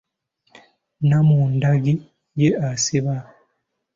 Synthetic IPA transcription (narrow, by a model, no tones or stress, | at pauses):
namuːndaɡi | jeasiβa